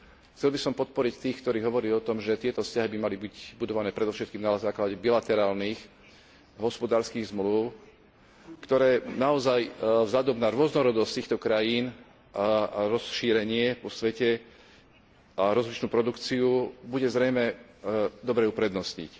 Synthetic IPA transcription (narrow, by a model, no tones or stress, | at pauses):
xt͡sɛlbisɔmpɔt̪̚pɔɾict̪iːxkt̪ɔɾiːɦɔʋɔɾiɔt̪ɔmʒɛt̪ɪɛt̪ɔfscaɦibimalibiɟbud̪ɔʋanɛːpɾɛd̪ɔʊʃɛt̪̚kiːmnazaːklaɟɛbilat̪ɛɾaːlnix | ɦɔspɔd̪aːɾskiːɣzmluʊ | kt̪ɔɾɛːnaɔzajvzlad̪ɔmnaɾʊɔznɔɾɔd̪ɔstt̪iːxt̪ɔkɾajiːn | aaɾɔsʃiːɾɛɲɪɛpɔsʋɛcɛ | aɾɔzlit͡ʃnuːpɾɔd̪ukt͡siubuɟɛzɾɛjmɛ | d̪ɔbɾɛupɾɛd̪nɔsɲḭc